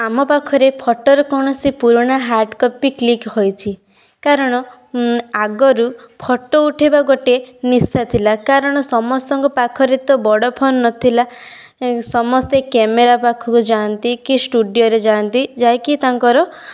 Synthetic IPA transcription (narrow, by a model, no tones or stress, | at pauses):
amɔpakʰɔɾepʰɔʈɔɾɔkɔɽ̃ɔsipuɾɔɽ̃aɦaɾɖkɔpiklikhojtʰi | kaɾɔɽ̃ɔ | aɡɔɾupʰɔʈːɔuʈʰebaɡoʈenisat̪ʰilakaɾɔɽ̃ɔsɔmɔst̪ɔŋkɔpakʰɔɾet̪ɔbɔɽɔpʰɔnːɔt̪ʰila | sɔmɔst̪ekemeɾapakʰɔkud͡ʒant̪ikisʈuɖijɔɾed͡ʒãnt̪id͡ʒajkit̪aŋkɔɾɔ